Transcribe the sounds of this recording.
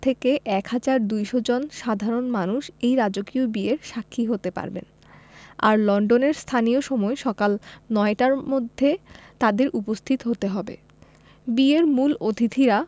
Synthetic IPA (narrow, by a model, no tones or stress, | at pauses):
t̪ʰekeʔɛkhad͡ʑaɾd̪ujʃod͡ʑonʃad̪ʱaɾonmanuʃejɾad͡ʑokiobieɾʃakʰːiɦot̪epa̰ɾbḛn | a̰ɾlɔɳɖoneɾst̪ʰanijoʃɔmɔeʃɔkalnɔeʈaɾmod̪ʱːet̪ad̪eɾʔupost̪ʰit̪oɦot̪eɦɔbḛ | bieɾmulot̪ʰit̪ʰiɾa